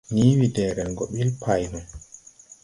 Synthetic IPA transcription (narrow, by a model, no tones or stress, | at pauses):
niːwidɛːɾɛɡɔɓilpʰajnun